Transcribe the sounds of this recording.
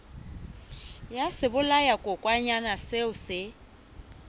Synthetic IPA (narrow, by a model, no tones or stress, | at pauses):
jasɪbʊlajakʼʊkʼwaɲanaseʊsɪ